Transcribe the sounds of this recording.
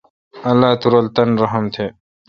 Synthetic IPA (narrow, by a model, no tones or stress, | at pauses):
ɐlːaːt̪uɾɐlt̪ɐnɾɐɦɐmt̪ʰeː